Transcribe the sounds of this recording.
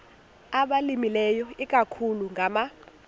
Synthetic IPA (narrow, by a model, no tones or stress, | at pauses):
aɓalimilɛjɔik̬ʼakʰuluŋɡʱama